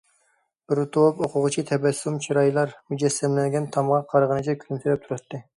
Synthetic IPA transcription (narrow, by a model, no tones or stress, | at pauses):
b̥ɪɾt̪ʰowpoqʰʊʁʊt͡ʃʰit̪ʰɛbɛsːumt͡ʃʰiɾɑjlˠɑɾmyd͡ʒɛsːɛmlɛnɡʲɛnt̪ʰɑmʁɑqʰɑɾʁənɨd͡ʒʰɛkʲʰyymt̪ʰyɾɛp̚t̪ʰuɾɑt̪ːɨ